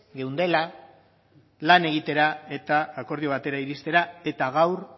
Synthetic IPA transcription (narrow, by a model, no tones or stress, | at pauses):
ɡe̞wnd̪e̞la | lane̞ɣ̞it̪e̞ɾae̞t̪aːko̞ɾð̞io̞β̞at̪e̞ɾaiɾist̪e̞ɾae̞t̪aɣ̞awɾ